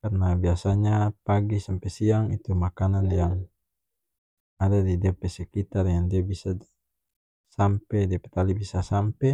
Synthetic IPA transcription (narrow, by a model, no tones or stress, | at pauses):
karnabiasaɲapaɡisampɛsiaŋit̪umakananjaŋ | adadidɛpɛsɛkit̪arjaŋdiabisa | sampɛdiapɛt̪alibisasampɛ